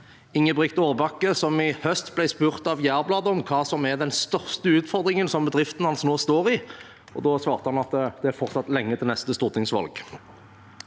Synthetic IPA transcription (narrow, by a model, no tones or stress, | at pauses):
ɪŋːəbʁʏkt̪oːʁbɑkːəsɔmɪhœst̪blæɪspʉːʁt̪ɑʋjæːʁblɑːd̪əɔmkʰɑːsɔmæʁd̪ɛnst̪œʁst̪əʉːt̪fɔʁd̪ʁɪŋənsɔmbəd̪ʁɪft̪ən̩hɑnsnoːst̪oːʁɪ | ɔ̰d̪oːsʋɑːʁt̪əhɑnɑt̪d̪ɛæɾfɔʁt̪sɑt̪lɛŋːət̪ʰɪlnɛst̪əst̪uːʁt̪ɪŋsʋɑ̰lɡ̥